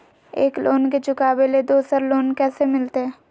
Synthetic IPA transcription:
ḛːklʔoːnket͡ʃʊkaːbeled̪oːsəɾloːnkɛːsemɪlt̪eɦɛ̃ː

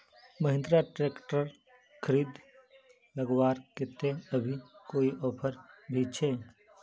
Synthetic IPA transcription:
məɦɪ̃nd̪ɾaʈɾeːkʈəɾ | kʰəɾiːd̪ | ləɡwaːɾkɪt̪ẽəbʱikoːiʔɔːpʰəɾbʱit͡ʃʰeː

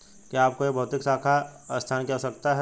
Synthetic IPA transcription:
kiaːp̚kojebʱɐɦʊt̪ɪksaːkʰast̪ʰaːnkɛosɐk̚t̪aɦɛ

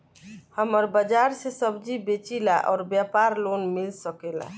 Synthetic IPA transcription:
həməɾbəd͡ʒaɾsesəbd͡ʒibet͡ʃilaʔɔ̰ːɾbjapaɾlonmilsəkela̰

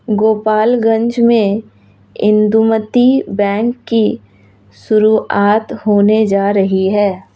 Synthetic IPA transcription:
ɡoːpaːlɡə̃ɲd͡ʒmẽ | ɪ̃nd̪umət̪ibɛ̃ːŋkːi | sʊɾuːʔaːt̪ɦoːned͡ʒaːɾɐɦiɦɛː

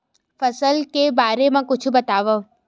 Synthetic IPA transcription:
fəsəlkebaɾemãkʊt͡ʃʰubət̪aʋə

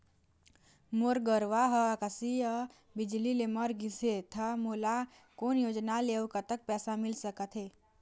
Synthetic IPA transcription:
moɾɡəɾʋaɦəakəsiə | bɪd͡ʒlileməɾɡiset̪ʰamola | koːnjoːd͡ʒnaleokət̪ək̚pɛːsamɪlsəkət̪ʰɦeː

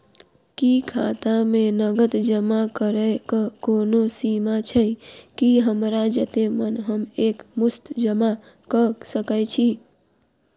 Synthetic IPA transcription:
kikʰa̰t̪amenəɡət̪d͡ʒəmakəɾəkəkonosimat͡ʃʰəkiɦəmɾad͡ʒət̪emənɦəmekmust̪d͡ʒəma | kəsəkəjt͡ʃʰi

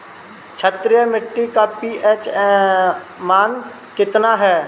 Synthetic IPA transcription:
t͡ʃʰət̪ɾijəmɪʈːikapiːeːt͡ʃ | maːn | kɪt̪naɦɛː

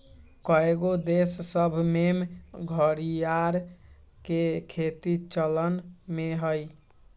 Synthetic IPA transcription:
kɔeɡod̪esːəbʱmemɡʱəɾijaɾ | kekʰet̪it͡ʃələnmeɦəj

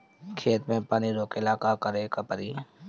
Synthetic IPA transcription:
kʰeːt̪mẽpaːniɾoːkɪlaːkakəɾekəpəɾiː

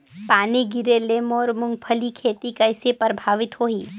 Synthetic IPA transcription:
paːniɡɪɾeleːmɔːɾmʊ̃ŋɡpʰəlikʰeːt̪ikɐɪsepɾəbʱaːʋɪt̪ɦoːɦiː

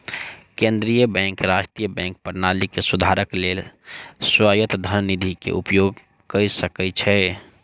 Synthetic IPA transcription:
kẽnd̪ɾijəbɛ̃ŋkɾad͡ʒʈijəbɛ̃ŋk̚pəɾnalikesud̪ʱaɾəkleːlswajət̪d̪ʱənnid̪ʱikḛʔupjoɡ | kəisəkɛt͡ʃʰɛ

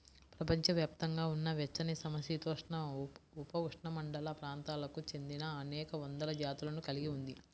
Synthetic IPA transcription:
pɾɐpɐɲt͡ʃɐʋjaːpt̪ɐŋɡaːunːɐʋjɐt͡ʃːɐnisɐmɐsjit̪ɔːʂɳɐupɐʋuʂɳɐmɐɳɖɐlɐpɾaːnt̪aːlɐkut͡ʃe̞nd̪inɐːnɛːkɐʋɐnd̪ɐlɐd͡ʒaːt̪ulɐnukɐliɡiund̪i

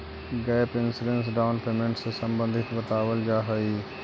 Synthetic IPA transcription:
ɡɛɪpɪnsɪɖens̬ɖaːʊnpeːmẽɳʈsesɐ̃mbə̃nd̪ʱɪt̪bət̪aːʋəld͡ʒaːɦəi

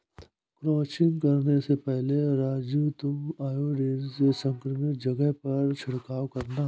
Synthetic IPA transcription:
kɾɔːt͡ʃɪ̃nkɐɾnesepɛɦleɾaːd͡ʒjuːt̪uaːjoɖeːɾsesə̃ŋkɾəmɪkd͡ʒɐɡɛɦpɐɾt͡ʃʰɪɽkaːwkɐɾna

